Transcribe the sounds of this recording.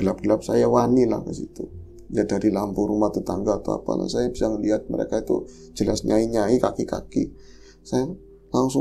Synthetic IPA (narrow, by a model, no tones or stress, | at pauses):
ɡəlap̚ɡəlap̚sajawanila̰hkəsit̪u | jadaɾilampuɾumaht̪ut̪aŋɡaːt̪a̰wa̰pa̰la̰hsajabisaŋəliɦat̪̚mə̰ɾḛkait̪ṵ | d͡ʒəlasɲaiɲaikakika̰ki | saja | laŋsʊ